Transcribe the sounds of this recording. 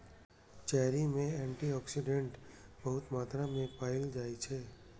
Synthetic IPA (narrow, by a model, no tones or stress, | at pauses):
t͡ʃɛːɦɾimẽɛ̃ːɳʈiɔːksɪɖẽɳʈbɐɦʊt̪maːt̪ɾamẽpaːɪld͡ʒaːit͡ʃʰɛː